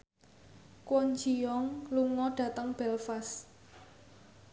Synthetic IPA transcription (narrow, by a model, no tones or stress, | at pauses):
kwɔnd͡ʒiɔŋluŋɔɖ̥ä̤t̪əŋb̥ɛlfas